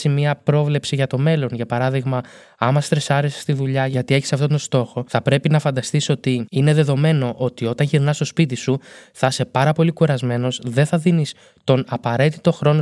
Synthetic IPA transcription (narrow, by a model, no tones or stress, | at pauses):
simiɐpɾo̞vle̞psiʝɐt̪o̞me̞lo̞nʝɐpɐɾɐðiɣmɐ | ɐmɐst̪ɾesɐɾese̥st̪iðuʎɐʝɐt̪ie̞çi̥sɐft̪o̞t̪ost̪o̞xo̞θɐpɾe̞pinɐfɐnd̪ɐst̪iso̞t̪iine̞ðe̞ðo̞me̞no̞ʔo̞t̪io̞t̪ɐnʝiɾnɐst̪o̞spit̪isuθɐse̞pɐɾɐpo̞likuɾɐzme̞no̞zðe̞nθɐðinis | t̪o̞nɐpɐɾe̞t̪it̪o̞xɾo̞no